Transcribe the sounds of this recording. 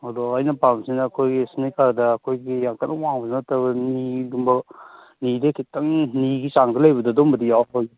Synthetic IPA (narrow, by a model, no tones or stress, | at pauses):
adoajnɐpamsinaːkʰojɡesnajkaɾdɐːkʰojɡijaŋkʰanawaŋbɐnatabɐnidumbɐ | nidekʰitaŋniɡisaŋdɐlajbɐdɐdɔmbɐdijawtoj